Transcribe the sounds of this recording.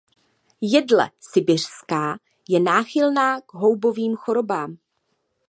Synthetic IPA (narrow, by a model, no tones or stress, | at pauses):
jɛdlɛ̰sɪbɪr̝̥skaː | jɛnaːxɪlnaːɡ̥ɦo̞wbo̞viːmxo̞ɾo̞baːm